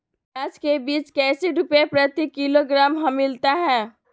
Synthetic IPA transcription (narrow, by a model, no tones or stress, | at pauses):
baːd͡ʒkebiːt͡ʃkɛːseɖʊpepɾət̪ikːɪloɡɾaːmɦɐ̃mɪlt̪aɦɛ̃ː